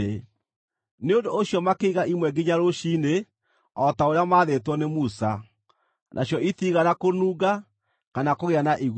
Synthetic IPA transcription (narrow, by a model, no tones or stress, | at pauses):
neondooɕjɔmakeiɣaʔimwɛɡiɲaɾoɕine | ɔtaoɾeamaːðetwɔnemusa | nʔa̰ɕjɔiθiɣanakonuːɡa | kanakoɣeanaʔiɣ